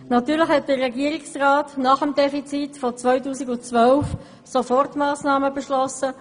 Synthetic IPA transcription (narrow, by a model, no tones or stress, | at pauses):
nɑtyːʁlɪxhɛt̚d̥əʁːɛɡiːəɾɪksraːtnɑχəmdɛfit͡sitfɔt͡svœʏtuːsɪɡʊnt͡sʋœlf | sofɔʁtmaːsnɑːməbɛʃlɔsə